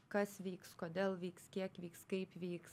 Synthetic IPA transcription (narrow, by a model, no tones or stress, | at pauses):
kɐsʋʲiːkskoːd̪ʲeːlˠʋʲiːkskʲiɛkʋʲiːkskɐɪpʋʲiːks